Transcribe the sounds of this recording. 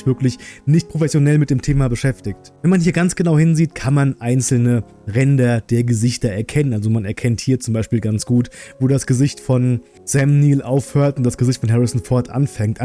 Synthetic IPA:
çv̥ɪɐklɪçnɪçt̚pʁ̥ofɛsjonɛlmɪt̚d̥eːmtʰeːmabəʃɛftɪçtvɛnmanhiːɐɡant͡sɡ̥ənaʊhɪnziːtkʰanmanʔaɪnt͡sl̩nə | ʁɛndɐd̥eːɐɡəzɪçtɐɛɐkʰɛnənʔalzomanɛɐkʰɛnthiːɐt͡sʊmbaɪʃpiːlɡant͡sɡ̥uːtvoːɾasɡ̥əzɪçtfɔn | sɛmniːlʔaʊfhøːɐtʊntd̥asɡ̥əzɪçtfɔnɦɛʁɪsn̩fɔɐtʔa̰nfɛŋktʔa

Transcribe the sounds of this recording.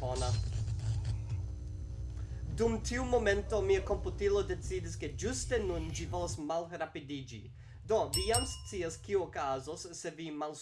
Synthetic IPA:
ona | dumtʰiumo̞mento̞miako̞mputilode̞t͡sidiske̞d͡ʒuste̞nund͡ʒivolosmalɾapidid͡ʒḭ | do̞vijamst͡siaskiuokazosːe̞vimals

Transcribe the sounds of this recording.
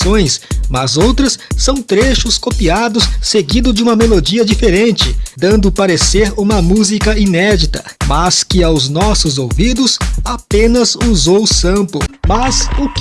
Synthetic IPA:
õj̃smɐzowt̪ɾɐsːɐ̃w̃t̪ɾeʃʊskopiad̪ʊsːeɡĩd̪ʊd͡ʒɪũmɐmelod͡ʒiɐd͡ʒifeɾẽnt͡ʃɪd̪ɐ̃nd̪ʊpaɾeseɾũmɐmuzikɐinɛd͡ʒit̪ɐmɐskɪawznɔsʊzowvid̪ʊsapẽnɐzuzowʊsɐ̃mpʊmɐzʊk

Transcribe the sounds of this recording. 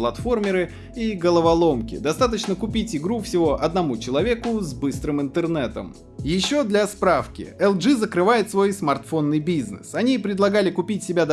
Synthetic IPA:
lˠɐt̪fo̞rmʲɪɾɨ | iɡəlˠəvɐlˠo̞mkʲɪ̰d̪ɐst̪at̪̬ət͡ɕnəkʊpʲitʲɪɡɾufsʲɪvo̞ʔɐd̪nɐmut͡ɕɪlˠɐvʲe̞kʊzbɨst̪ɾɨmɨnt̪ɨrnɛt̪ə̰m | jɪɕːo̞d̪lʲaspɾafkʲɪ̰ɛlˠʐɨzəkɾɨvajɪt̪svo̞jsmɐrt̪fo̞nːɨjbʲiznɨ̰sɐnʲipɾʲɪd̪lˠɐɡalʲɪkʊpʲitʲsʲɪbʲad̪

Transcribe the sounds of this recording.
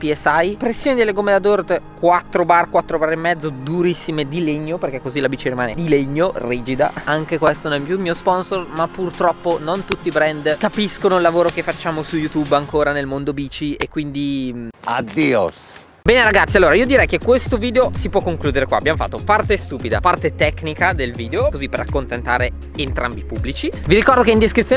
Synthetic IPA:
piɛsajpɾesːjoːnid̪elːeɡomed̪ad̪ord̪kwat̪ːɾobarkwat̪ːɾobaremːɛd̪zːod̪uɾisːimed̪ileɲːoperk̟ɛkːozilabiːt͡ʃiɾimaːned̪ileɲːoriːd͡ʒid̪a̰aŋk̟ekwest̪ononɛmːjumiːospɔnsormapːurt̪ɾɔpːonont̪ut̪ːibɾɛnd̪kapiskonoilːavoːɾok̟efːat͡ʃːaːmosujut̪ubaŋkoːɾanelmond̪obiːt͡ʃiekːwind̪iad̪iːo̰s | bɛːneɾaɡat̪sːialːoːɾaiːod̪iɾɛjkekːwest̪oviːd̪eosipwɔkːoŋkluːd̪eɾekwa̰ːbjamofa̰t̪ːopart̪est̪uːpid̪a̰part̪et̪ɛknikad̪elviːd̪eokozipːeɾakːont̪ent̪a̰ːɾe | ent̪ɾambipubːlit͡ʃiviɾikɔrd̪okeind̪eskɾit̪ːjo

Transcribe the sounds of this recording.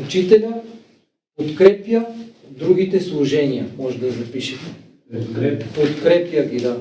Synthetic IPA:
ut͡ʃit̪ɛlʲa | pot̪kɾɛpja | d̪ɾuɡʲit̪ɛslˠuʒɛnijɐmɔʒɛd̪ɐzɐpiʃɛt̪ɛ̥ | t̪ɾpot̪kɾɛpjaɡʲid̪a

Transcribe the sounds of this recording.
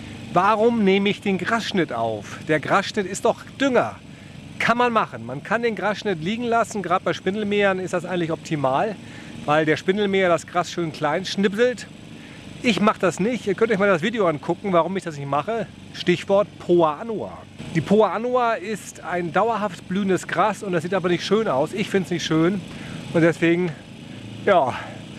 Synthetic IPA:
vaːʁʊmneːməɪçd̥eːnɡʁasʃnɪtʔa̰ʊfd̥eːɐɡʁasʃnɪtɪstd̥ɔχ | d̥ʏŋɐ | kʰanmanmaχən̩mankʰandeːnɡʁasʃnɪtliːɡŋ̩lasn̩ɡʁaːdəbaɪʃpɪnl̩meːɐnɪstd̥asʔaɪɡŋ̩tlɪçɔp̚tʰimaːl | vaɪldeːɐʃpɪnl̩meːɐdasɡ̥ʁasʃøːnkl̥aɪnʃnɪbzl̩t | ʔɪçmaχəd̥asnɪçtʔiːɐkʰœntɪçmaːldas̬v̥iːdeoankʰʊkŋ̩vaːʁʊmɪçd̥asnɪçtmaχə | ʃtɪçv̥ɔɐtpʰoaʔanua̰ː | d̥iːpʰoaanuaɪstaɪndaʊɐɦaftb̥lyːəndəsɡ̥ʁasʊntd̥asziːtʔaːbɐnɪçtʃøːnaʊsɪçfɪntsnɪçtʃøːnʔʊntd̥ɛsv̥eːɡŋ̩ | jaː

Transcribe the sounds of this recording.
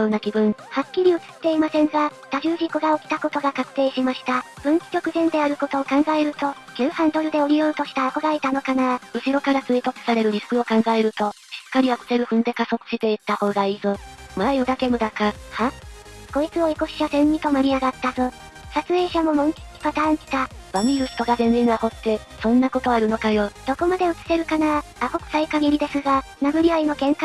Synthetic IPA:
oːnakʲibɯ̟̃ɴhakʲːiɾʲiɯ̟t͡sɨ̥t̪ːe̞imasẽ̞ŋɡat̪aʑɨːʑikoɡaokʲi̥t̪ako̞t̪o̞ɡakakɯ̟̥t̪e̞ːɕimaɕi̥t̪ab̥ɯ̟̃nki̥kʲo̞kɯ̟zẽ̞nd̪e̞aɾɯ̟ko̞t̪o̞ːkãŋɡae̞ɾɯ̟t̪o̞kʲɨːhãnd̪o̞ɾɯ̟d̪e̞oɾʲijoɯ̟t̪o̞ɕi̥t̪aːko̞ɾaɾet̪ano̞kanaɯ̟ɕiɾo̞kaɾat͡sɨit̪okɯ̥saɾe̞ɾɯ̟ɾʲisɯ̥kɯ̟o̞kãŋɡae̞ɾɯ̟t̪o̞ɕi̥kːaɾʲiβakɯ̟̥t̪e̞ɾɯ̟ɸɯ̟̃nd̪e̞kaso̞kɯ̥ɕit̪e̞it̪ːaho̞ːɡaiːzomajod̪ake̞mɯ̟d̪akahako̞it͡sɨo̞iko̞ɕi̥ɕasẽ̞ɲːʲit̪o̞maɾʲiaɡat̪ːazɨ | sat͡sɨe̞ːɕamo̞mõ̞ŋkʲi̥kʲi̥pat̪ãːɰ̃d͡ʑi̥t̪abamʲiɾɯ̟ɕi̥t̪o̞ɡazẽ̞ninaho̞t̪ːe̞ | sõ̞nːako̞t̪o̞aɾɯ̟no̞kajo̞d̪̥o̞ko̞mad̪e̞ɯ̟t͡sɨ̥se̞ɾɯ̟kanaahokɯ̟̥saikaɡiɾʲid̪e̞sɨɡa | naɡɯ̟ɾʲiaino̞ɡẽ̞ŋka

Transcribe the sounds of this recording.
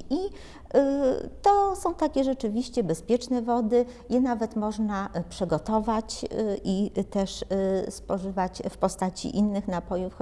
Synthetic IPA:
i | t̪ɔsɔ̃w̃t̪akʲɛʐɛt͡ʂɘvʲiɕt͡ɕɛbɛspʲjɛt͡ʂnɛvɔd̪ɘ | jɛnavɛt̪mɔʐnapʂɛɡɔt̪ɔvat͡ɕʔit̪ɛʂspɔʐɘvat͡ɕfpɔst̪at͡ɕḭʔinːɘxnapɔjuf

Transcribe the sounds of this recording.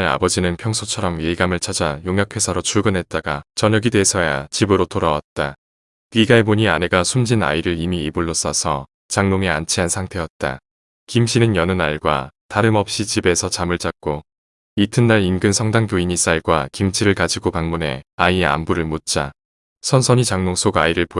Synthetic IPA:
ɾa̰bʌd͡ʑinɯnpʰjʌŋsʰot͡ɕʰʌɾʌmɥeiɡamɯɭt͡ɕʰʌd͡ʑajoŋɦjʌkʰe̞sʰʌɾot͡ɕʰuɭɡɯnɦe̞t̚t͈aɡat͡ɕʌɲʌɡide̞sʰʌja̰t͡ɕibɯɾotoɾawat̚t͈a | kiɡaeboɲiane̞ɡasʰumd͡ʑina̰iɾɯɾimiibuɭːos͈ʌsʰʌ̰ | t͡ɕaŋnoŋe̞ant͡ɕʰiɦansʰaŋtʰe̞jʌt̚t͈a̰ | kimɕʰinɯnjʌnɯnaɭɡwa̰taɾɯmʌp̚ɕ͈it͡ɕibe̞sʰʌt͡ɕamɯɭt͡ɕ͈ak̚k͈o | itʰɯnːaɾinɡɯnsʰʌŋdaŋtoiɲis͈aɭɡwakimt͡ɕʰiɾɯɭkad͡ʑiɡopaŋmune̞̰aia̰mbuɾɯɭmot̚t͡ɕ͈a | sʰʌnsʰʌɲit͡ɕaŋnoŋs͈ʰoɡaiɾɯɭpo

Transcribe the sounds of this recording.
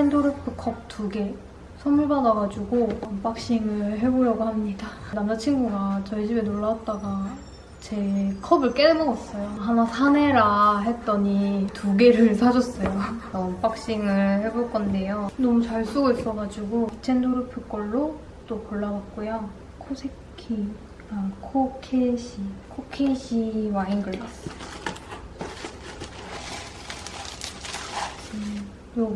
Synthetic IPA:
t͡ɕʰendoɾɯpʰɯkʰʌp̚t͈uɡe̞ | sʰʌmuɭbadʌɡad͡ʑuɡoʌnp͈ak̚ɕ͈iŋɯɭɦe̞boɾjʌɡohamɲidanamd͡ʑat͡ɕʰinɡuɡat͡ɕʌɭd͡ʑibenoɭːawat̚t͈aɡa | t͡ɕe̞kʰʌbɯɭk͈e̞nɯnʌɡʌs͈ʌjoɦanasʰane̞ɾaɦe̞t̚t͈ʌɲituɡe̞ɾɯɭsʰad͡ʑʌs͈ʌjoʌnp͈ak̚ɕ͈iŋɯɭheboɭk͈ʌnde̞jonʌmut͡ɕaɭs͈uɡois͈ʌɡad͡ʑuɡot͡ɕʰendoɾɯpʰɯk͈ʌɭːo | t͈okʌɭːawat̚k͈oja | kʰosʰekʰi | akʰokʰeɕʰikʰokʰeɕʰiwainɡɯɭːas͈ʌ | jo

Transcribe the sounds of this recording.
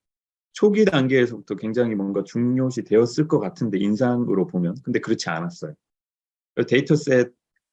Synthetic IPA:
t͡ɕʰoɡidaŋɡeːsʰʌbutʰʌkwe̞ŋd͡ʑaŋɦimwʌnɡat͡ɕuŋɲoɕʰitwe̞ʌs͈ɯɭk͈ʌk͈atʰɯnde̞insʰaŋɯɾopomjʌnkɯnde̞kɯɾʌt͡ɕʰia̰nas͈ʌjo | ʌte̞itʰʌs͈ed̚

